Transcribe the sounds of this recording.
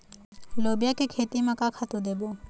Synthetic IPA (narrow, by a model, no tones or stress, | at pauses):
loːbijakekʰeːt̪imẽkakʰat̪ud̪eːbo